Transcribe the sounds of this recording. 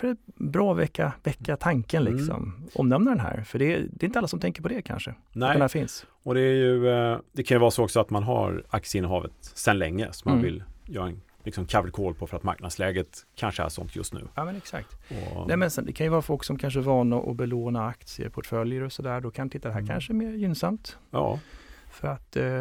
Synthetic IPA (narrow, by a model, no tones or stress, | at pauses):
fœɾɛt̪bɾɑːvɛkːavɛkːat̪ʰaŋkənlɪkssɔ̰mʔɔ̰mnɛmnad̪ɛnɦæ̰ːɾfœɖɛd̪ɛɾɪnt̪əalːasɔmt̪ʰɛŋkəɾpʰɔd̪ɛkʰa̰nʂənɛɛnhæːfɪns | ɔd̪ɛæɾjɵd̪ɛkʰanjɵvɑːɾasoːɔksɔat̪manɦa̰ɾak̚tsɪəɪnːəɦɑːvə̰t̪sɛnlɛŋːəsɔmanvɪljœːɾaɛn | lɪksɔmkʰavlkʰoːlpʰɔfœɾat̪ma̰ɾknad̪slɛːɡət̪kʰanʂəæ̰ʂɔ̰nt̪ʰjɵ̰st̪nʉ̟ːjɑːmɛnɛksa̰k̚t̪ɔ̰ɛːmɛnsɛnd̪ɛ̰kʰanjɵvɑːɾafɔlksɔmkʰanʂ̬əvɑːnaʔɔ̰bɛloːnaakt̪sɪə̰ɾpʰɔʈfœljəɾɔsɔd̪æːdɔkʰant̪ɪt̪ːad̪ɛɦæːɾkʰa̰nʂəmeːɾjʏnsamt̪jɑ̰ːfœɾat̪